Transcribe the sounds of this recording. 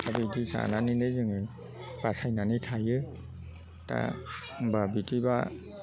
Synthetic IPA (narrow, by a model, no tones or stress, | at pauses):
abidisa̰naninɯzɯŋɯ | pasajnanɯtʰajɯ | ta̰ | babitiba̰